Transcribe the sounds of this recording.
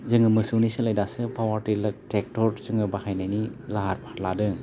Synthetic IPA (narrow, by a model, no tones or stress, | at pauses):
zɯŋɯmɯsunisɯlajdasɯpawaɾtilɐtek̚tɔɾzɯŋɯbahajnajnilaɦaɾpaɾladɯ